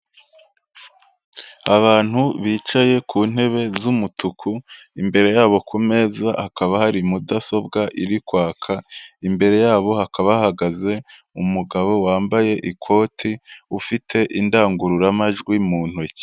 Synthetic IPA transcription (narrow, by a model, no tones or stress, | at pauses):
aβaːn̥huβiːt͡ʃaje̞kʰuːn̥he̞βe̞zumutʰukʰu | imbe̞ɾe̞jaːβo̞kʰome̞zahakaβahaɾimudaso̞bɡaʔiɾikwaːkʰaimbe̞ɾe̞jaːβo̞hakaβahaɡaze̞ | umuɡaβo̞waːmbaje̞ʔikʰo̞ːtʰiufitʰe̞ʔindaːŋɡuɾuɾamaʒɡwimuːn̥huc